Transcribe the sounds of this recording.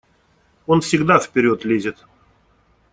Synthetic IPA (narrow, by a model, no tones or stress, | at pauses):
o̞nfsʲɪɡd̪afʲpʲɪɾʲo̞t̪lʲezʲɪt̪